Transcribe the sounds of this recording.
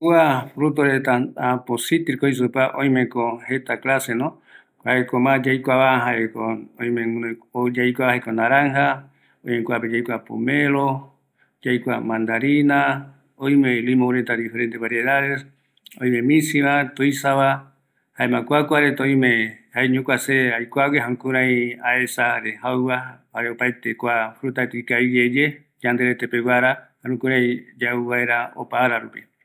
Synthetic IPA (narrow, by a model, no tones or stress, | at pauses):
kuafɾut̪oɾet̪aaposit̪iɾkois̬upaʔõj̃mẽkohet̪aklasenõ | kaekomãd͡ʒajkʷaβaɦaekoõj̃med͡ʒajkʷaβahekonãɾaŋha | õjmẽkʷaped͡ʒajkʷapo̰mẽɾo | d͡ʒajkʷamãnd̪aɾina | oj̃melimõɾet̪ad̪ifeɾent̪eβaɾjeðaðes | õ̰j̃mẽ̞mĩsiβat̪ojsaβa | haemãkʷakʷaɾet̪õĩmẽhaeɲõkʷaseajkʷaweɦanũkũɾãj̃ae̞saɾehawβahaɾeopajt̪ekʷafɾut̪at̪ikaid͡ʒed͡ʒe | d͡ʒand̪eɾet̪epewaɾahanũkũɾãj̃d͡ʒauβae̞ɾao̰paːɾaɾupi